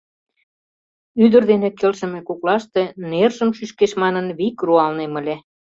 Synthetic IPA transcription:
yd̪ə̆rd̪enĕkelʃə̆mĕkoklɑʃt̪enerʒə̆mʃyʃkeʃmɑnənβikruɑlnemə̆lʲe

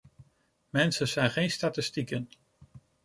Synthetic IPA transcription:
mɛnsəzɛjnχejnstatɪstikən

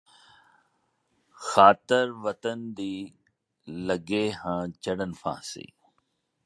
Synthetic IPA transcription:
xaːt̪ɪɾʋət̪ənd̪iː | ləɡehãːt͡ʃəɽənfʰã̰ːsḭː

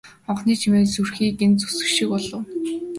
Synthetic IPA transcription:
χɔɴχniːt͡ɕʰimeːsurxiːkent͡su̥sɘ̥̆kʃikpɔɮɞ̆w

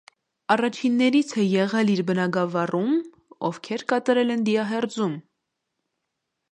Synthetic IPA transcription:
ɑrɑt͡ʃʰinːɛɾit͡sʰɛjɛʁɛliɾbənɑɡɑvɑrum | ɔ̰vkʰɛɾkɑt̪ɑɾɛlɛnd̪iɑɦɛrd͡zum

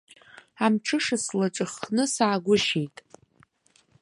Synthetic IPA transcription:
amʈ͡ʂʰɨʂaslaʈ͡ʂʼɨχnɨsaːɡʷʊʃejtʼ

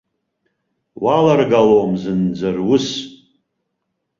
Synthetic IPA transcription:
walarɡalowmzɨnd͡zarwʊs

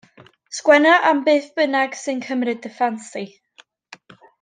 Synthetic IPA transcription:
skwɛnaʔambeːθb̥ənaɡ̥sɨnkʰəmrɨdəfansi

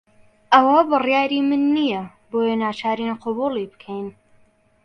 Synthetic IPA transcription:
ʔɐwɐbɨrjaːɾimɨnːijɐ | boːjenaːt͡ʃaːɾinqʰʊbuːlˠibɨ̥kʰɛjn

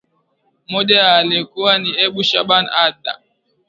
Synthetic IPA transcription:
mɔʄajaːlikuwaniɛɓuʃa̰ɓanadːa̰

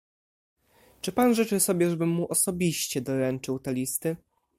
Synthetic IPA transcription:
t͡ʂɘpanʐɛt͡ʂɘsɔbʲɛʐɛbɘmːuʔɔsɔbʲiɕt͡ɕɛd̪ɔɾɛnt͡ʂɘwt̪ɛlʲist̪ɘ

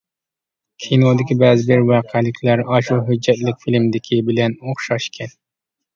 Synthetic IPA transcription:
kʲʰinod̪ɪkʲibɛzɪbɪɾwɑːqʰɛlɪkʲʰlæɾɑʃuɦød͡ʒːɛt̪lɪkʲfilmd̪ɪkʲʰibɪlɛnoχʃɑʃkʲʰɛn

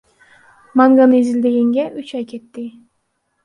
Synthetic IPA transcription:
maŋɡanɯizɪld̪eɡʲeŋɡʲeʔyt͡ʃɑjkʲʰet̪ːɪ

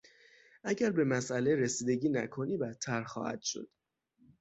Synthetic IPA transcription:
ʔæɟæɾbe̞mæsʔæleɾesiːd̪e̞ɟiːnæ̰kʰo̞niːbæt̪ʰːæɾxɒ̰ːhæ̰d̪̥ʃo̞̰d̪̥

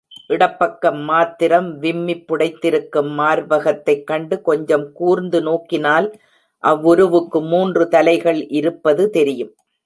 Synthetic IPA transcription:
ʔɪɽɐpːɐkːɐmːaːt̪ːɪɾɐmʋɪmːɪpːʊɽɐɪt̪ːɪɾɯkːɯmːaːɾʋɐɣɐt̪ːɐɪkːɐɳɖɯkɔɲd͡ʒɐmkuːɾnd̪ɯnoːkːɪnaːl | ʔɐʋːʊɾɯʋɯkːɯmːuːndrɯt̪ɐlɐɪɣɐɭʔɪɾɯpːɐðɯt̪ɛɾɪjɯm

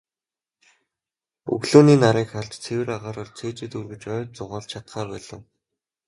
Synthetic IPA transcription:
ɵ̰ɣɮoːniːnaɾiːkχaɮt͡ɕt͡sʰewɘ̆ɾaʁaːɾə̆rt͡sʰeːt͡ɕɪ̆t̪urɣɘ̆t͡ɕœːt͡sʊʁaːɮt͡ɕʰat̪χaːpæːɮə̆w

